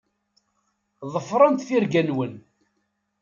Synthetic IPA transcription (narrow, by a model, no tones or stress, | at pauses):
ðˤəfɾˤənt̪θiɾɡænwən